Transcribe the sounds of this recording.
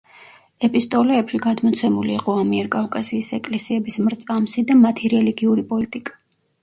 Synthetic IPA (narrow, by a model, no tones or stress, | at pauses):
ɛpʼist̪ʼɔlɛːpʃiɡad̪mɔt̪sʰɛmuliiqʼɔamiɛɾkʼafkʼasiːsɛkʼlɛsiɛbismɾt̪sʼamsid̪amat̪ʰiɾɛliɡiuɾipʼɔlit̪ʼikʼḁ